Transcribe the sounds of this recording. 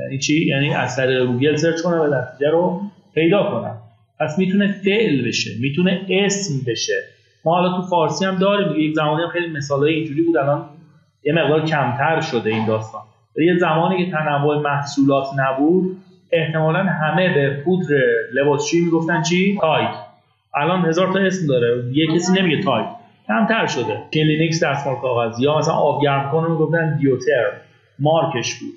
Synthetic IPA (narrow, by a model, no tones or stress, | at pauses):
iːt͡ʃʰijæ̰ːniːʔæ̰zt̪ʰæɾiːɣeɡuːɡe̞lseɾt͡ʃkonænvænæt̪ʰiːd͡ʒæɾo | pʰe̞jd̪ɒːkʰo̞næ̰m | pʰæsmiːt̪ʰune̞fe̞ʔlbe̞ʃe̞̰miːt̪ʰune̞esmbe̞ʃe̞ | mɒːhɒːlɒːt̪ʰufɒːɾsiːhæmd̪ɒːɾiːmd̪iɡejekzæmɒːnijæmxejlime̞sɒːlɒːjeind͡ʒuːɾiːbuːd̪ælɒːn | jeme̞ɣd̪ɒːɾcʰæmt̪ʰæɾʃo̞d̪e̞iːnd̪ɒːst̪ɒ̰ːn | vælijezæmɒːniːcʰe̞t̪ʰænævːoemæhsuːlɒːt̪ʰnæbuːd̪ | e̞ht̪e̞mɒːlænɦæme̞bepʰud̪ɾe̞le̞βɒːsʃimiːɡo̞ft̪ænt͡ʃʰiːt̪ʰɒjkʰ | ʔælɒːnhe̞zɒːɾt̪ɒe̞smd̪ɒːɾeijecʰesiːne̞miɟet̪ʰɒjkʰ | cʰæmt̪ʰæɾʃo̞d̪e̞cʰelinicsd̪æsmoɾkʰɒːɣæzjɒːmæsælæ̰nʔɒːbɟæɾmkʰonemiɡoft̪ænd̪ijot̪ʰe̞ɾ | mɒːɾkʰe̞ʃb̥ṵːd̪̥̚